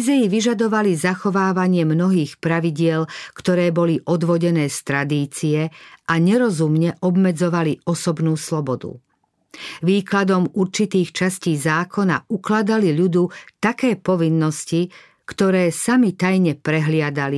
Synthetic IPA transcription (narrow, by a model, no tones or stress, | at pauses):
zɛjiʋiʒad̪ɔʋalizaxɔʋaːʋaɲɪɛmnɔɦiːxpɾaʋiɟɪɛlkt̪ɔɾɛːbɔliʔɔd̪ʋɔɟɛnɛːst̪ɾad̪iːt͡siɛʔaɲɛɾɔzumɲɛʔɔbmɛd͡zɔʋaliɔsɔbnuːslɔbɔd̪ṵ | ʋiːklad̪ɔmuɾt͡ʃit̪iːxt͡ʃasciːzaːkʰɔna̰uklad̪aliʎud̪ut̪akɛːpɔʋinːɔsci | kt̪ɔɾɛːsamit̪ajɲɛpɾɛɦlɪad̪ali